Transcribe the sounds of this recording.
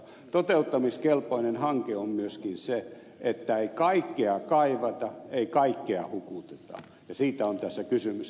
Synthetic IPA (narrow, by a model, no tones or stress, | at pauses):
t̪ot̪eut̪ːɑmiskelpoinenhɑŋkeommyøskinse | et̪ːæeikɑikːeɑkɑiʋɑt̪ɑeikɑikːeɑhukut̪et̪ɑ̰ | jɑsiːt̪æont̪æsːækysymys